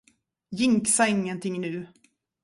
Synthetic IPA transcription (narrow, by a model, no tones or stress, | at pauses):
jɪŋksaɪŋːənt̪ʰɪŋːnʉ̟ː